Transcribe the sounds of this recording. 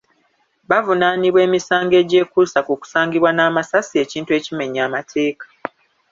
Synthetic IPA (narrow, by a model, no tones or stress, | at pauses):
βavunaːniβwe̞ːmisaːŋɡe̞ːɟe̞ːkusakuku̥saːŋɡiβwanaːmasasie̞ːciːntue̞ːcime̞ɲːaːmatʰe̞ːkḁ